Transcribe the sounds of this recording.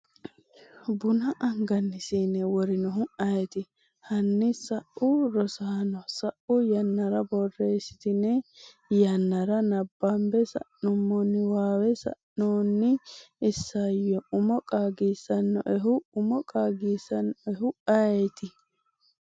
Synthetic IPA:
bʊnɐʔɐŋɡɐnːɪsiːnɛwɔɾɪnɔɦʊɐjɛt̪ɪ | hɐnːɪsɐʔʔʊɾɔsaːnɔsɐʔʊjɐnːɐɾɐbɔrːeːsɪ̥t̪ɪnɛ | jɐnːɐɾɐnɐbːɐmbɛsɐ̰ʔnʊmːɔnːɪwaːwɛsɐ̰ʔnoːnːɪɪsːajɔʊmɔkʼaːɡiːsɐnːɔ̰ʔɛɦʊʊmɔkʼaːɡiːsɐnːɔɛɦʊɐɛt̪ɪ

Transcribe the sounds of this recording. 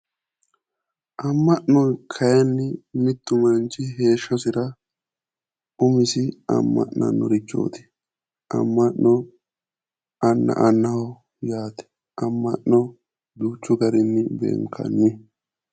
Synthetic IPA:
ʔɐmːɐʔnɔkʰɐjɐnːɪmɪt̪ːʊmɐnt͡ʃɪɦe̞ːʃːɐsɪɾɐ | ʊmɪsɪɐ̰mːɐ̰ʔnɐ̰nːɔ̰ɾɪt͡ʃːo̰ːt̪ɪ̥ | ʔɐ̰mːɐʔnːɔ | ɐnːɐ̰ʔɐnːɐ | jaːt̪ɛ̥ | ʔɐmːɐ̰ʔnɔ | d̪uːt͡ʃːʊɡɐɾɪnːɪbḛːŋkʰɐ̰nːɪ

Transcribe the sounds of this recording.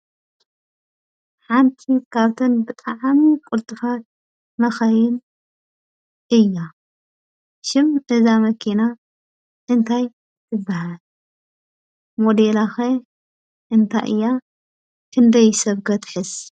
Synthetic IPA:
ħant̪ʰikʰaβt̪ʰɨnbɨt̪ʼaʕmikʼʊlt̪ʼɨfat̪̚ | mɐxɐjɪn | ʔɨjːa | ʃɪmʔɨzamɐkʰina | ʔɨnt̪ʰaj | t̪ʰɨbːahal | mod̪elaxe | ʔɨnt̪ʰa̰ʔɨ̰jːa | kʰɨnd̪ɐjsɐβɡɐt̪ħɨz

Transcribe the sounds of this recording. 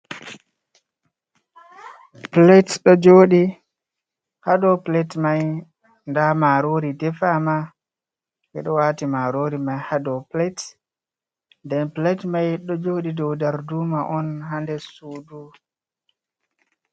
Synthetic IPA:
plɛtɗɔd͡ʒoːɗi | hadɔplɛtmaj | ndamaɾoːɾidɛfama | ʔɛɗɔwaːtimaɾoːɾimajhadɔplɛt | ndɛnplɛtmajɗɔd͡ʒoːɗidɔwdaɾduːmaʔɔnɦandɛsuːdu

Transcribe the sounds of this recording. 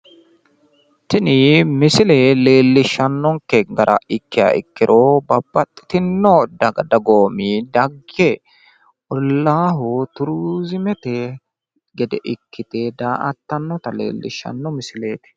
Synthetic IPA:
t̪ɪnɪmɪsɪlele̞ːlːɪʃːɐnːɔŋkɛɡɐɾʔɐ̰ʔɪkːɪja̰ɪ̰kːɪɾʔɔbɐbːɐt̪ʼːɪ̥t̪ɪnːɔd̪ɐɡɐd̪ɐɡoːmid̪ɐɡɛ | ʔɔlːaːɦʊt̪ʊɾuzɪmɛt̪ɛ | ɡɛd̪ɛʔɪkːɪt̪ɛd̪aːʔɐt̪ːɐnːɔt̪ɐlḛːlːɪ̰ʃːɐ̰nːɔmɪsɪle̞ːt̪ɪ̥

